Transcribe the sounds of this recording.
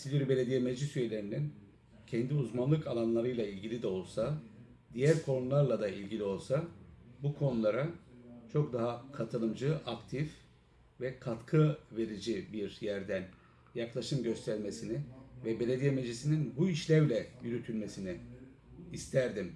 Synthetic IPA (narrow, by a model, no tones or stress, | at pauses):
silʲiɾybe̞lʲe̞d̪ijemed͡ʒisyje̞lʲe̞ɾinin | cʰɛnd̪iuzmanlˠɯkʰalˠanlˠaɾɯjlˠailʲɟilʲid̪ɛo̞lˠsa | d̪ijæɾkʰo̞nulˠaɾlˠad̪ailʲɟilʲio̞lˠsabukʰo̞nulˠaɾat͡ʃʰo̞kd̪aɦakʰat̪ʰɯlˠɯmd͡ʒɯʔakt̪ʰif | vɛkʰat̪kʰɯve̞ɾid͡ʒibiɾjæɾd̪æn | jaklˠaʃɯmɟø̞st̪ʰæɾme̞sinivɛbe̞lʲe̞d̪ijemed͡ʒisininbuiʃlʲævlʲɛjyɾyt̪ʰylʲme̞siniː | st̪ʰæɾd̪im